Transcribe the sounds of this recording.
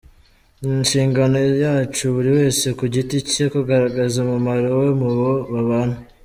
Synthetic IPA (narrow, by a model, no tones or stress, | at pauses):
inʃiːŋɡano̞jaːt͡ʃuβuɾiwe̞ːse̞kuɟitice̞koɡaɾaɡazamumaɾo̞we̞muβo̞βaβaːn̥hu